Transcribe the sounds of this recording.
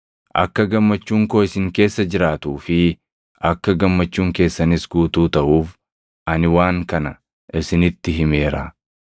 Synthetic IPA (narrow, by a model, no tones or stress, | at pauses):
ʔɐ̰kːɐɡɐmːɐt͡ʃːuːŋkoːɪsɪŋke̞ːsːɐd͡ʒɪɾaːt̪uːfɪ | ʔɐkːɐɡɐmːɐt͡ʃːuːŋke̞ːsːɐnɪsɡuːt̪uːt̪ɐʔuːf | ʔɐnɪwaːŋkɐnɐ | ʔɪsɪnɪt̪ːɪɦɪme̞ːɾaː